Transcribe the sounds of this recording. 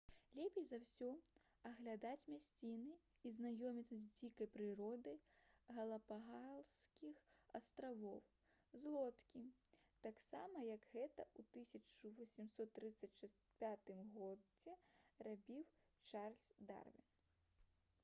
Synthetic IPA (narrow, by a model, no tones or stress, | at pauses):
lʲɛpʲejzawsʲɔ | ɐɣlʲad̪at͡sʲmʲasʲt͡sʲinɨ | iznajɔmʲit̪sːɐzʲd͡zʲikɐjpɾɨɾɔd̪ɐjɣɐlˠɐpaɦalˠskʲixɐ̰st̪ɾavɔw | zlˠɔt̪kʲi | t̪aksamɐjɐɡɣɛt̪ɐ̰ut̪ɨsʲɐt͡ʂuvɐsʲimsɔt̪ːɾɨt̪sːɐt͡sʲʂ | pʲat̪ɨmɣɔd͡zʲɛrabʲiw | t͡ʂarlʲsʲd̪a̰rvʲḭn